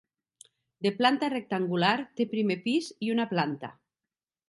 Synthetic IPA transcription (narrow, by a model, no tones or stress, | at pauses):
d̪eplant̪arek̚t̪aŋɡulaɾt̪epɾimepiziunaplant̪a̰